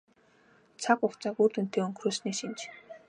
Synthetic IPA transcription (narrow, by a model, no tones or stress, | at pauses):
t͡sʰakʊkt͡sakurt̪un̥t̪ʰeːɵŋkʰruːsneːsint͡ɕ